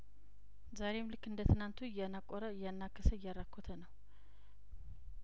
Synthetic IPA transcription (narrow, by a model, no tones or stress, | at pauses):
zaɾe̞mlɨkːɨnd̪ət̪ʰɨnant̪ʰujanakʼːɔɾəjanːakʰːəsəjːaɾakʰːot̪ʰənəw